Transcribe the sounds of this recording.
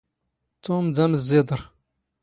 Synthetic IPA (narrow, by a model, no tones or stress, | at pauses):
t̪ʊmd̪æməzːɪd̪ˤəɾˤ